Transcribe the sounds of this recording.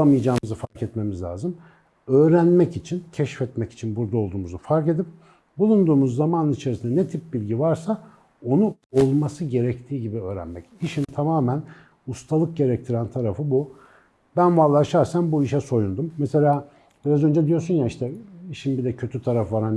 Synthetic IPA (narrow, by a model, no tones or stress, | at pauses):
amɯjad͡ʒaːmɯzɯfaɾkɛt̪me̞mizlʲa̰ːzɯm | ø̞ːɾænmɛcit͡ʃʰincʰɛʃfɛt̪mɛci̥t͡ʃʰinbuɾd̪ao̞lˠd̪uːmuzufaɾke̞d̪ip̚ | bulˠund̪uːmuzːamanɯnit͡ʃʰeɾisind̪ɛnɛt̪ʰipbilʲɟivaɾsa | o̞nuolˠmasɯɟe̞ɾɛct̪ʰiːɟibiø̞ːɾæ̰nmɛciʃint̪ʰamaːmæn | ust̪ʰalˠɯk̚ɟe̞ɾɛc̚t̪ʰiɾænt̪ʰaɾafɯbu | bænvalːˠaʃaɾsanbuiʃɛso̞jund̪umːɛse̞lʲaː | b̥iɾazø̞nd͡ʒɛd̪ijo̞ɾsunjaiʃt̪ʰɛiʃinmbid̪ɛcʰø̞t̪ʰyt̪ʰaɾafvaɾan